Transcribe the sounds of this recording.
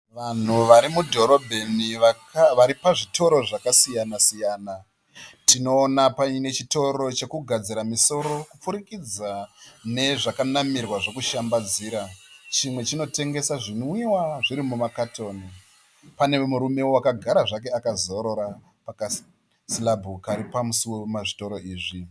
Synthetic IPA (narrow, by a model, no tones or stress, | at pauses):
ʋan̤uʋaɾimudʱo̞ɾo̞bʱe̞niakʋaɾipaʐitʰo̞ɾo̞ʐakasijanasijaːna | tino̞ːnapaine̞t͡ʃito̞ɾo̞t͡ʃe̞kuɡʱad͡ziɾamiso̞ɾo̞kup͡fuɾikid͡zane̞ʐakanamirwaʐo̞kuʃambad͡ziːɾat͡ʃimwe̞t͡ʃino̞te̞ŋɡe̞saʐinoiwaʐiɾimumakato̞ːni | pane̞muɾume̞wowakaɡʱaɾaʐak̬e̞akazo̞ɾo̞ɾa | paka | silabʱukaɾipamusiwe̞maʐito̞ɾo̞ʔiːʐi